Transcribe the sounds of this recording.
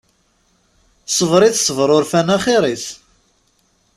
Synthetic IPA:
sˤəvɾˤiθsəvɾˤʊɾfænæχɪɾˤiθ

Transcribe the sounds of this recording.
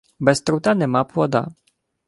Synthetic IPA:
bɛst̪ɾut̪anɛmapɔd̪a̰

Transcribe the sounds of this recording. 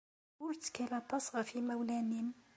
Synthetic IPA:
ʊɾt̪kælæt̪ˤːɑsˤʁfimæwlænim

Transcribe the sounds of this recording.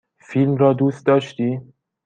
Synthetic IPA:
filmɾɒːd̪uːst̪̚d̪ɒːʃt̪iː

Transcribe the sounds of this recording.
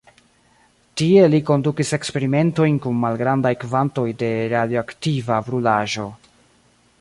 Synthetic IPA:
tie̞liko̞ndukise̞kspe̞ɾime̞nto̞jnkunmalɡɾandajkvanto̞jde̞ɾadjoaktivabɾulaʒo̞

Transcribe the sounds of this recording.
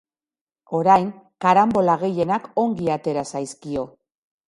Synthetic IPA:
o̞ɾajŋkaɾambo̞laɣ̞e̞je̞nako̞ŋɡiat̪e̞ɾasajskio̞

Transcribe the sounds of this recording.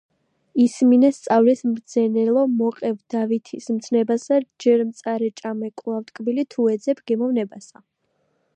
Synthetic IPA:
isminɛst̪sʼavlɛsmd̪zɛnɛlˠɔmɔqʼɛvd̪̥avit̪ʰismt̪sʰnɛbasad͡ʒɛɾmt̪sʼaɾɛt͡ʃʼamɛkʼlˠaft̪ʼkʼbilit̪ʰuɛd̪zɛpʰɡ̥ɛmɔvnɛbasa

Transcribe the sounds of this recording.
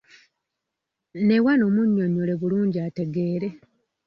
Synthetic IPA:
ne̞wanoːmuɲːoɲːole̞βuluːɲɟiate̞ɡe̞ːɾe̞

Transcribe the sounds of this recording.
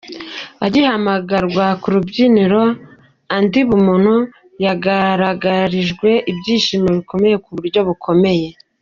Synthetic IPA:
aɟihamaɡaɾɡwakuɾubɟiniɾo̞ | andiβumun̥u | jaɡaɾaɡaɾiʒɡwe̞ʔibɟiːʃimoβiko̞me̞je̞kuβuɾɟo̞βukʰo̞me̞je̞

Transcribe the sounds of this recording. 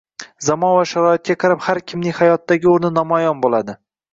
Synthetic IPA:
zamɒnvaʃaɾɒɪt̪̚kʲaqʰɑɾaphaɾkʲʰɪmnɪŋʲhajɒt̪ːaɡʲɪoɾnɪnɒmɒjɒnbolad̪ɪ

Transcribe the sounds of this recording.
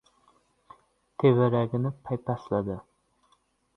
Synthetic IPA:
t̪ʰevɪɾaɡʲɪnɪpʰajpʰaslad̪ɪ

